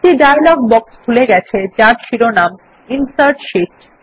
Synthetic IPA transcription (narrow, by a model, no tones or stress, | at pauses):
ʈiɖajlɔɡ̚bɔkst̪ʰuleɡɛt͡ɕʰet͡ɕaɾʃiɾonam | insaɾʈʃiʈ